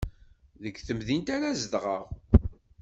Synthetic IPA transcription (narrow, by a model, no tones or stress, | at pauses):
ðəɡθəmðint̪aɾæzd̪ʁəʁ